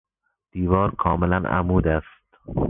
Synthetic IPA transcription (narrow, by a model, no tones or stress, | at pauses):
d̪̥iːvɒːɾkʰɒːmelænæ̰muːd̪æst̪̚